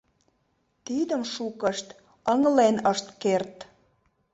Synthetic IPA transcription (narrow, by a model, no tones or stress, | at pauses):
t̪id̪əmʃukəʃt̪ | əŋlenəʃt̪kert̪